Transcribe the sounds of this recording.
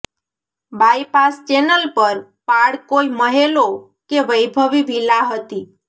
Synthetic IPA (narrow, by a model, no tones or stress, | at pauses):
bajpast͡ʃenəlpəɾ | paɽkoiməɦelo | keʋəjbʱəʋiʋʱilaɦət̪i